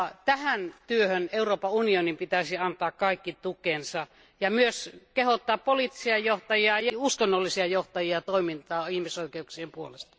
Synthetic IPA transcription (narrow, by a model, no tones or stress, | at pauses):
t̪æhænt̪yøhøneuroːpɑunionimpit̪æsiɑnt̪ɑːkkɑikːit̪ukˑensɑ | jɑmyøskehot̪ːɑːppolit̪ːi̥siɑjjoht̪ɑjiɑjuskonːolːisiɑjoht̪ɑjiɑt̪oˑimint̪ɑːihmisoˑikeuksiempuolest̪ɑ̥